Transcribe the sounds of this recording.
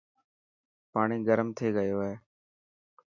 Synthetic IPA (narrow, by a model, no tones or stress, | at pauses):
paːɳiːɡəɾmt̪ʰeːɡəjoːɦeː